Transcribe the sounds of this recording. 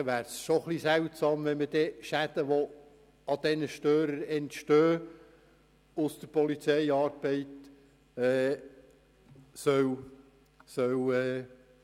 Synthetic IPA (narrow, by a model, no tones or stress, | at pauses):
ʋæːɾsʃoχlisɛwtsɑːmʋɛnməd̥ɛʃæd̥̪əʋo | ɑd̥̪ɛnəʃtøːɾəɾɛntʃtøː | ʊsd̥̪əɾpɔlit͡sɛjɑːrb̥ɛɪt̪ | ɛː | sœw | sœwɛː